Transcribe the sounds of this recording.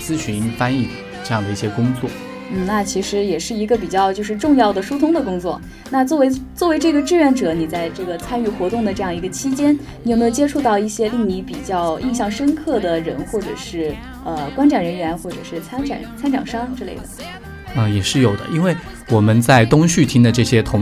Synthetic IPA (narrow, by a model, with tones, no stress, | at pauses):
t͡sɹ̩˥ɕy˧˥nfa˥ni˥˩ | ʈ͡ʂɤ˥˧jɑ˥˩ŋd̪ə˩i˥˩ɕjɛ˥kʊ˥ŋt͡swɔ˥˩ | n̩˥˩na˥˩t͡ɕʰi˧˥ʂɻ̩˧˥jɛ˨˩ʂɻ̩˥˩i˧˥ɡə˧p̬i˨˩t͡ɕjɑ˥˧ʊt͡ɕjo˥˧ʂɻ̩˥˧ʈ͡ʂʊ˥˧ŋjɑ˥˩ʊd̪ə˩ʂu˥t̪ʰʊ˥ŋd̪ə˨kʊ˥ŋt͡swɔ˥˩ | na˥˧t͡swɔ˥˩we˧˥ɪt͡swɔ˥˩we˧˥ɪʈ͡ʂɤ˥˩ɡə˩ʈ͡ʂɻ̩˥˩ɥɛ˧˥nʈ͡ʂɤ˨˩˥ni˨˩t͡sa˥˧ɪʈ͡ʂɤ˥˩ɡə˩t͡sʰa˥ny˥˩xwɔ˧˥t̪ʊ˥˩ŋd̪ə˩ʈ͡ʂɤ˥˧jɑ˥˩ŋi˧˥ɡə˧t͡ɕʰi˥t͡ɕjɛ˥nni˨˧˥me˥˧˩t͡ɕjɛ˥ʈ͡ʂʰu˥˧t̪ɑ˥˧ʊi˥˩ɕjɛ˥li˥˩ŋni˧˥pi˨˩t͡ɕjɑ˥˧ʊḭ˥˧nɕjɑ˥˩ŋʂə˥nkʰɤ˥˩d̪ə˩ɻə˧˥nxwɔ˥˩ʈ͡ʂɤ˨˩ʂɻ̩˥˩ | ə˧kwa˥nʈ͡ʂʰa˨˩nɻə˧˥nɥɛ˧˥nxwɔ˥˩ʈ͡ʂɤ̰˨˩ʂɻ̩˥˩t͡sʰa˥nʈ͡ʂʰa̰˨˩nt͡sʰa˥nʈ͡ʂɑ̰˨˩ŋʂɑ˥ŋʈ͡ʂɤ˥˧lḛ˥˩ɪd̪ə̰˩ | ə˧jɛ˨˩ʂɻ̩˥˩jo˨˩ʊd̪ə̰˦i˥nwe˥˩ɪ | wɔ˨˩mə˦nt͡sa˥˧ɪt̪ʊ˥ŋɕy˥˩t̪ʰi˥ŋd̪ə˨ʈ͡ʂɤ˥˩ɕjɛ˥t̪ʰʊ˧˥ŋ